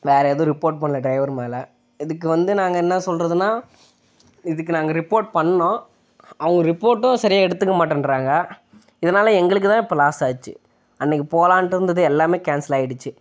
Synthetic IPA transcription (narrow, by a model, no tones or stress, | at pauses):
ʋeːɾɐɛːðʊ̃ɾɪpːoːɾʈ̚pɐɳːɐlɐɖɾɐɪʋɐɾmeːlɐ | ɪðɯkːɯʋɐnd̪ɯnaːŋɡɐɛnːɐsɔlɾɐðɯnaː | ɪðɯkːɯnaːŋɡɐɾɪpːoːɾʈ̚pɐɳːɐnõː | ɐʋɐŋɡɐɾɪpːoːɾʈːʊ̃sɐɾɪjaːɛɽɯt̪ːɯkːɐmaːʈːɯnɾaːŋɡɐ | ɪðɐnaːlɐɛŋɡɐɭɯk̬ːɯt̪ãːɪpːɐlaːsaːðɯt͡ʃːɯ̰ | ɐnːɪk̬ːipoːlaːnʈɯɾɯnd̪ɐðɯɛlːaːmeːkaːnsɪlaːɪɽɯt͡ʃːɯ